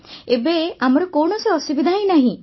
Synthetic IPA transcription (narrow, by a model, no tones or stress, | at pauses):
ebeamɔɾɔkoɳɔseɔsubid̪ʱaɦĩnaɦĩ